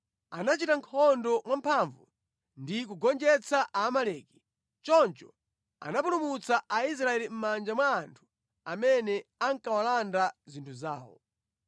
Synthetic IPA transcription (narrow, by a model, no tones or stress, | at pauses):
anat͡ʃitaŋkʰɔndɔmwampʰaɱvṵ | ndik̬uɡɔnd͡ʒɛt͡sʰaʔaːmalɛki̥ | t͡ʃɔnt͡ʃɔ | a̰napulumut͡saʔais̬ɾaɛlim̩mand͡ʒamwaːntʰu̥ | amɛnɛaŋkawalandazintʰuzaːwɔ̰